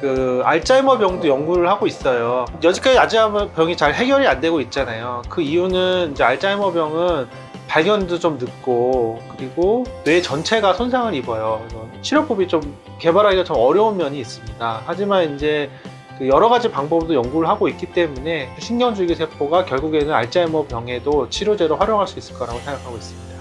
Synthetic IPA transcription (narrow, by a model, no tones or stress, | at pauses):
kɯaɭt͡ɕ͈aimʌbjʌŋdojʌŋɡuɾɯɭhaɡois͈ʌjojʌd͡ʑik͈aad͡ʑiampjʌŋit͡ɕaɭɦe̞ɡjʌɾiande̞ɡoit̚t͡ɕ͈anajokɯijunɯnind͡ʑe̞aɭt͡ɕ͈aimʌbjʌŋɯn | paɭɡjʌndot͡ɕomnɯk̚k͈okɯɾiɡonwe̞t͡ɕʌnt͡ɕʰe̞ɡasʰonsʰaŋɯɾibʌjobʌt͡ɕʰiɾjok͈ubit͡ɕom | ke̞baɾɦaɡiat͡ɕʌmʌɾjʌunmjʌɲiːs͈ɯmɲidahad͡ʑimanind͡ʑe̞ | kɯjʌɾʌɣad͡ʑipaŋbʌbdojʌŋɡuɾɯɭɦaɡoit̚k͈it͈e̞mune̞kɯɕʰinɲʌŋd͡ʑuɭɡisʰe̞pʰoɡakjʌɭɡuɡe̞nɯna̰ɭt͡ɕ͈aimʌbjʌŋɦe̞dot͡ɕʰiɾod͡ʑe̞ɾoɸwaɾjoŋɦaɭs͈uis͈ɯ̥ɭk͈aɾaɡosʰe̞ŋɡakʰaɡois͈ɯmɲida